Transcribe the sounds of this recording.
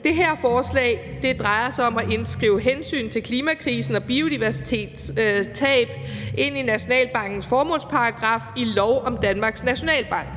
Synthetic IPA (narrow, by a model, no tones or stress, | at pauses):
d̥e̝ɦeɐ̰fɒːslɛ̰ɪd̥e̝d̥ʁɑ̈ɪɐsɑ̈ɪɒ̽mæʔe̝nsɡ̥ʁiːʊɦensy̰ːnt͡sʰe̝lkʰliːmækʰʁiːsn̩ɒ̽b̥io̝d̥iʋæɐsi̥t͡sʰe̝̰ːd̥t͡sʰɛ̰ːb̥e̝n̰inæɕo̝nɛ̰ːlb̥ɑ̈ŋ̰ɡ̥n̩sfɒːmɔ̽lspʰɑ̈ɑɡ̥ʁɑ̈ːfilɒʊʔɒ̽md̥ænmɑ̈ɡ̥snæɕo̝nɛ̰ːlb̥ɑ̈ŋ̰ɡ̥